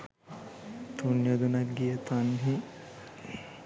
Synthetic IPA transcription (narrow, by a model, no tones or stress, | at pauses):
t̪unjod̪unɐt̪ɡijət̪anɦi